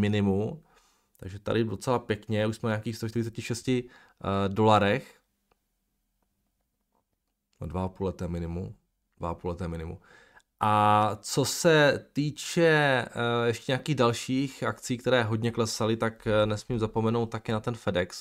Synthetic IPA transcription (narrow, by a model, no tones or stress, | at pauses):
mɪnɪmum | t̪aɡʒɛt̪a̰dɪdo̞t͡sɛlapjɛkɲɛuʃsmɛnɲeaːkiːxst̪oʃt̪ɪɾɪt͡sɛcɪʃɛscɪ | do̞laɾɛx | advaapuːlɛt̪ɛːmɪnɪmṵ | d̥vaapuːlɛt̪ɛːmɪnɪmṵ | ʔat͡so̞sɛt̪iːt͡ʃɛ | jɛʃcɛɲaːkiːɣdalʃiːxʔakt͡siːk̚t̪ɛɾɛːɦoɟɲɛklɛsalɪt̪aknɛsmiːmzapomɛno̞wt̪t̪ːakɪnat̪ɛnfɛdɛks